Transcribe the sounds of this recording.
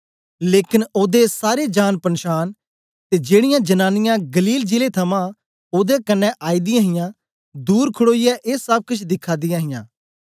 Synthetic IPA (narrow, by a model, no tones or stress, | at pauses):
leːkɪnoːd̪esaːɾeːd͡ʒaːnpənʃaːn | t̪eːd͡ʒeːɽɪjãːd͡ʒənaːnɪjãːɡəliːld͡ʒɪleːt̪ʰəmãː | oːd̪eːkənːɛʔaːiːd̪ɪjãːɦɪjãː | d̪uːɾkʰʊɽoːijaːʔeːsəb̚kʊt͡ʃʰd̪ɪkʰːaːd̪ɪjãːɦɪjã̰ː